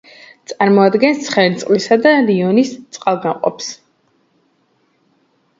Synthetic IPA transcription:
t̪sʼaɾmɔad̪ɡɛnst̪sʰχɛɾt̪sʼqʼlisad̪aliɔnist̪sʼqʼalˠɡamqʼɔ̰ps

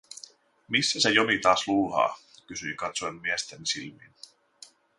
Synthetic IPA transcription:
misːæse̞jo̞mit̪ɑːsluːlhɑ̰ː | kysyikɑt̪soemːiest̪ensilmḭn

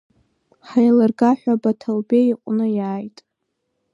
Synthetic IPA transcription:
ħajlarɡaħᶣʷabatʰalbeiqʷʼnɨjaːjtʼ

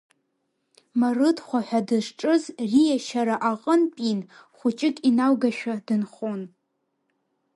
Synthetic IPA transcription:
marɨdχʷaħʷᶣadɨʂʈ͡ʂʼɨzrijaʃaɾaʔaqʼənpʼin | χʷʊt͡ʃʼɪkʼinawɡaʃᶣadɨnχon

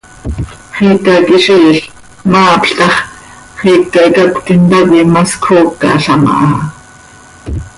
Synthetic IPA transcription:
χiːkakiʃiɬ | mɑːpɬt̪ɑχ | χiːkːaʔikakʷt̪int̪akimaskʰoːkːɑ̰ɬɑma̰ʔɑ

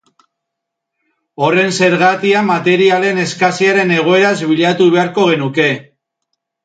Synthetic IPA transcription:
o̞re̞nse̞ɾɣat̪iamat̪e̞ɾiale̞ne̞skasiaɾe̞ne̞ɣ̞o̞e̞ɾazβiʎat̪uβ̞e̞aɾko̞ɣ̞e̞nuke̞

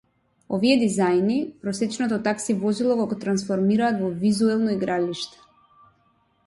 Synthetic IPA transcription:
ɔviɛd̪izajnipɾɔsɛt͡ʃnɔt̪ɔt̪aksivɔzilˠɔɡɔɡɔt̪ɾansfɔɾmiɾaːt̪vɔvizuɛlˠnɔiɡɾaliʃt̪ɛ̥

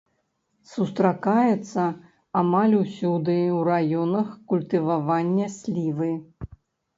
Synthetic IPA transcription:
sust̪ɾakajɛt̪sːɐ | amalʲusʲud̪ɨwrajɔnɐxkulʲt̪ɨvavanʲːɐsʲlʲivɨ

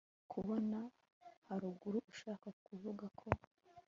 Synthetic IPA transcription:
kʰuβo̞na | haɾuɡuɾuʔuʃaːkakuvuɡakʰo̞

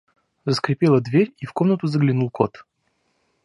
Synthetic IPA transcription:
zəskɾʲɪpʲelˠəd̪vʲeɾʲifko̞mnət̪ʊzəɡlʲɪnulˠko̞t̪

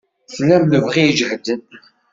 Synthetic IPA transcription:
flːæmləvʁijd͡ʒhd̪ən

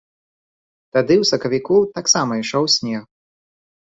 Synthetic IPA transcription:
t̪ad̪ɨwsɐkɐvʲikut̪aksamɐiʂɔwsʲnʲɛɣ

